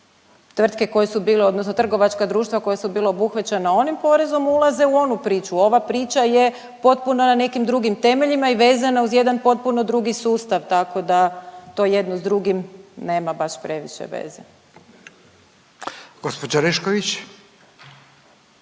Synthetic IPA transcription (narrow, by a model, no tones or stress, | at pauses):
t̪ʋr̩t̪ke̞ko̞jesubiːleo̞d̪nosno̞t̪r̩ɡo̞ʋat͡ʃkad̪ɾuːʃt̪ʋako̞jesubiːlaobuxʋat͡ɕenao̞nimpo̞ɾe̞zo̞mulˠaze̞uo̞nupɾiːt͡ʃuo̞ʋapɾiːt͡ʃaje̞ | po̞t̪̚punonane̞kimd̪ɾuɡimt̪e̞me̞ʎimaiʋe̞ːzanauzje̞d̪anpo̞t̪̚puno̞d̪ɾuɡisuːst̪aʋt̪ako̞d̪at̪o̞ːje̞d̪nozd̪ɾuɡimne̞ːmabaʃpɾe̞ʋiʃḛʋḛːzḛ | ɡ̥ospod͡ʒaɾeʃkoʋit͡ɕ